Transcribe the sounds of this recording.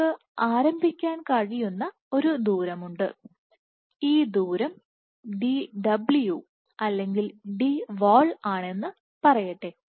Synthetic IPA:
ɨ | aːɾɐmbʱikʲːaːnkɐɻijunːɐ | o̞ɾud̪uːɾɐmuɳɖɨ | iːd̪uːɾɐm | ɖiɖɐblju | ɐlːe̞ŋɡilɖiʋoːɭaːɳe̞nːɨ | pɐrɐjɐʈːe

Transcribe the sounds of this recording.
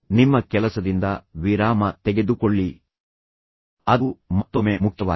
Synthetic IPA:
nimːɐkɛlɐsɐd̪ind̪ɐʋiɾaːmɐt̪ɛɡe̞d̪ukoɭːi | ɐd̪mɐt̪ːomeːmuk̚t̪ɐʋaː

